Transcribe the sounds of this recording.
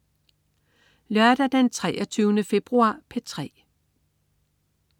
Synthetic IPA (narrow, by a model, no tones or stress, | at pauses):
lɶɐd̥æd̥ent͡sʰʁɛːɐt͡sʰyːʊnəfe̝b̥ʁuɑ̰̈ːpʰet͡sʰʁɛ̰ː